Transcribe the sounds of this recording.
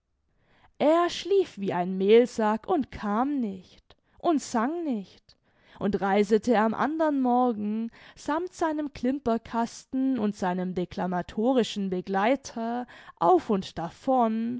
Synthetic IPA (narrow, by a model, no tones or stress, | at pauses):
ʔeːɐʃliːfv̥iːʔaɪnmeːlzakʊntkʰaːmnɪçt | ʔʊntz̥aŋnɪçt | ʔʊntʁaɪzətʰəamʔa̰ndɐnmɔɐɡŋ̩z̥amtz̥aɪnəmkʰl̥ɪmpɐkʰastn̩ʊntz̥aɪnəmdekʰl̥amatʰoːʁɪʃn̩bəɡlaɪtʰɐʔa̰ʊfʊntd̥afɔn